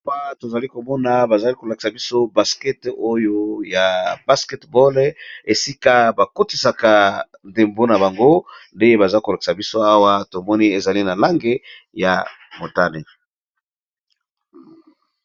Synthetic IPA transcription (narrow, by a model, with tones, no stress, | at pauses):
pa˦to˨za˨li˦ko˨mɔ˦na˨ba˨za˨li˦ko˨la˨ki̥˨sa˨bi˦so˦ba˨skɛ˦to˦jo˦ja˨ba˦skɛ˦tbɔ˦le˨si˦ka˦ba˨ko˦ti˨sa˨ka˨ | nde˨mbo˦na˨ba˨ŋɡo˦nde˦e˦ba˨za˦ko˨la˨ki̥˨sa˨bi˦so˦a˦wa˦to˨mɔ˦ni˦e˨za˨li˦na˨la˦ŋɡe˦ | ja˨ | mo˨ta˦ne˨